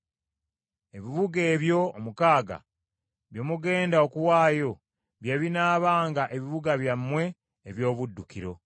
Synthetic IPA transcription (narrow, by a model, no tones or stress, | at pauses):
e̞βiβuɡe̞ːβjo̞ːmukaːɡa̰ | βjo̞ːmuɡe̞ːndaokuwaːjo̞ | βjeβinaːβaːŋɡaʔe̞βiβuɡaβjamːwe̞ː | βjo̞ːβudːukiɾo̞